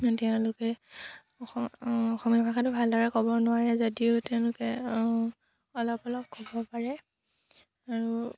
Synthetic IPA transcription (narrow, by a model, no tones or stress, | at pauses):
tɛʊ̃lʊkɛ | ɔxɔmjibʱaxatʊbʱaldɔɹɛkɔbɔnʊwaɹɛzodiʊtɛʊ̃lʊkɛ | ɔlɔpɔlɔp̚kɔbɔpaɹɛ | aɹu